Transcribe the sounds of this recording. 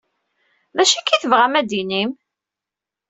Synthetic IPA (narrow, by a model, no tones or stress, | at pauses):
ðæʃækːiθəvʁæmæd̪inim